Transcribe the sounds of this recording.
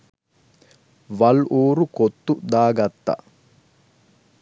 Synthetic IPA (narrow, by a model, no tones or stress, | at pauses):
ʋɐloːɾukot̪ːud̪aːɡɐt̪ːa̰